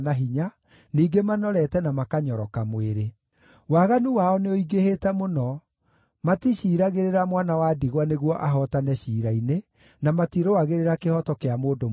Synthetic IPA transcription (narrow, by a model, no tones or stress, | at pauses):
naɦiɲa | niːɡemanɔɾɛtɛnamakaɲɔɾɔkamweɾe | waɣanuwaɔneoiɡehetɛmonɔ | matiɕiːɾaɣeɾeɾamwanawadiɣwaneɣwɔʔaɦɔtanɛɕiːɾaine | namatiɾowaɣeɾeɾakehɔtɔkeamoːdo